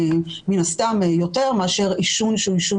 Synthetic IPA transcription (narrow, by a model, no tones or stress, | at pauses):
minastamjo̞te̞ʁmeaʃe̞ʁiʃunʃuiʃu